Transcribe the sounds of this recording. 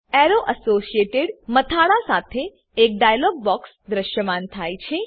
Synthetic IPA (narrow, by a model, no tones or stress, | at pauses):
eɾoʔəsosijeʈeɽmət̪ʰaɭasat̪ʰeː | k̚ɖajlɔɡ̚bɔks | d̪ɾəʃjəmant̪ʰajt͡ʃʰe